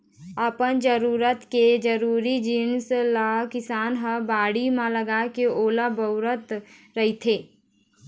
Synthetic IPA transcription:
əpənd͡ʒəɾuːɾət̪ked͡ʒəɾuːɾid͡ʒinslakɪsaːnɦəbaːɽimãləɡakeoːlabəʊɾət̪ɾɐɦit̪ʰeː

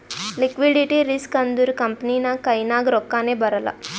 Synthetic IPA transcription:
likʋiɖiʈiɾiskɐnd̪uɾukɐmpɐniːnakɐjnaːɡɾɔkːaːneːbɐɾɐlɐ̰

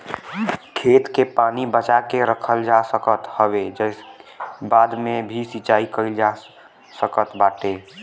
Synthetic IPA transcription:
kʰeːt̪kepaːnibət͡ʃakeɾəkʰəld͡ʒasəkət̪həbed͡ʒəsbaːd̪mẽbʱisit͡ʃaːikəɪld͡ʒa | səkət̪baːʈe

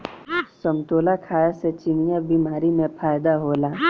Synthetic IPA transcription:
sɐmt̪oːlakʰaːjaset͡ʃɪnijabiːmaːɾimẽpʰaːjd̪aɦoːlaː

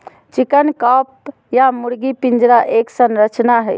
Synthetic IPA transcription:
t͡ʃikənkɔp | jamuɾɡipind͡ʒɾaʔeksənɾət͡ʃnaɦəj

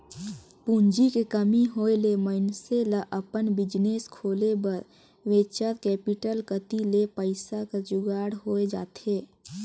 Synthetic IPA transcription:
puɲd͡ʒikekəmiɦoːeleməɪnselaʔəpənbɪd͡ʒneːskʰoːlebəɾ | ʋeːt͡ʃəɾkɛːpɪʈəlkət̪ilepəɪsakad͡ʒʊɡaːɽɦoːed͡ʒa̰ːt̪eː

